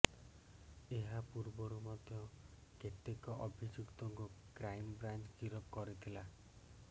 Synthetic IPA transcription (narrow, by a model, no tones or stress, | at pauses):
eɦapuɾbɔɾumad̪ʱjɔket̪ekɔʔɔbʱid͡ʒukt̪ɔŋkukɾajmbɾant͡ʃɡiɾɔpkɔɾit̪ʰila